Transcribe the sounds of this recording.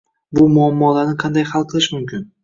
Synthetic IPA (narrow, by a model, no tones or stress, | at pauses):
bʊmʊamːɒlaɾnɪqʰɑnd̪ajhɑlˠqʰɨlˠɪʃmʊmkʲʰɪn